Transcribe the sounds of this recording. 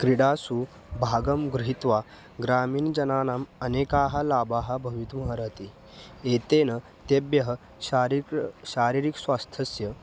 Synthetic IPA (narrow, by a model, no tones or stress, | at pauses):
kɾiɽaːsu | bʱaːɡɐmɡɾuɦit̪ʋa | ɡɾaːmiːnd͡ʑɐnaːnamənekaːɦalaːbaːɦabʱɐʋit̪mɦɐɾət̪i | et̪enɐ | t̪ebjɐɦə | ɾɕaːɾiɾiksʋast̪ʰɐsjɐ